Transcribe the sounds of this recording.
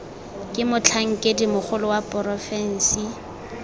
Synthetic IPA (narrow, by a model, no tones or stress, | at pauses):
kʼɪmʊt͡ɬʰaŋ̩kʼedimʊk͡xʊlʊwapʼʊrɔfɛn̩si